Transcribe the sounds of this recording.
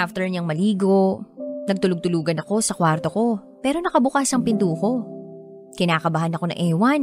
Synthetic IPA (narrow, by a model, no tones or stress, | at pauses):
ʔaft̪ɛɹɲɐŋmɐliːɡo̞nɐɡ̚t̪ʊlʊɡ̚t̪ʊluːɡɐnɐko̞sɐkwaɾt̪o̞ko̞ | pɛːɾo̞nɐkɐbʊkaːsɐŋpɪnd̪uːko̞ | kɪnaːkɐbɐhɐnɐko̞nɐ̰ŋʔɛːwɐn